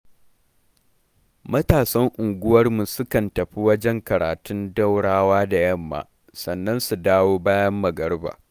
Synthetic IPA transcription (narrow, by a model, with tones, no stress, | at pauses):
mɐ˦taː˨sɐ˦ŋʔʊ˨ŋɡʷʊ˦wɐ˦rmu˨sʊ˦kɐ˨ntɐ˨ɸi˦wɐ˦d͡ʒɛ˦ŋkɐ˨ɾa̰ː˨tʊ˦nda˦wɽaː˦waː˦da˨jɐ˦˨mːa̰ː˨ | sɐ˨nːɐ˦nsu˨daː˦woː˦baː˦jɐ˦mːɐ˨ɡɐ˦ɽba̰ː˨